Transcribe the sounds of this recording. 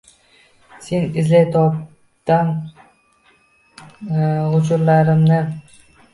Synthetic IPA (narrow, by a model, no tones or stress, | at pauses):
se̞nɪzlajt̪ʰɒp̚ | t̪an | ʊt͡ʃʊɾlaɾɪmnɪ